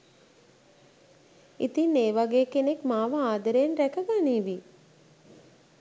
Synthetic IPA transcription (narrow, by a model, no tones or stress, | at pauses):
it̪inːeːʋaɡeːkenekmaːʋəaːd̪əɾenɾækəɡaniːʋi